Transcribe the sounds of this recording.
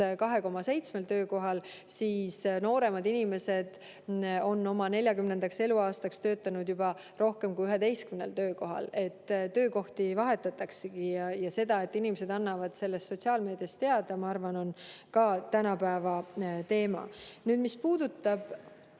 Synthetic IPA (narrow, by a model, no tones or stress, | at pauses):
kɑɦe̞ko̞mɑse̞jt̪sme̞lt̪ø̞ːko̞ɦɑl | siːsno̞ːɾe̞mɑd̪inime̞se̞d̪̥ | o̞nːo̞mɑne̞lʲjɑkymne̞nd̪ɑkse̞luɑːst̪ɑkst̪ø̞ːt̪ːˑɑnud̪jubɑ | ro̞hke̞mkujyɦed̪e̞jskymne̞̰lt̪ø̞ːko̞ɦɑ̰le̞t̪ːt̪ːø̞ːko̞ht̪ivɑɦe̞t̪ːˑɑt̪ːˑɑkseɡ̥ijɑjɑse̞d̪̥ɑe̞t̪ːˑinimese̞d̪ɑnːɑvɑd̪̥se̞lːest̪ːso̞t̪ʲsiɑːlme̞ːd̪jɑst̪e̞ɑd̪̥ɑmɑɑrvɑno̞nkɑt̪ænɑpæevɑt̪e̞ːmɑ̰nyːd̪mispuːd̪̥ut̪ˑːɑb̥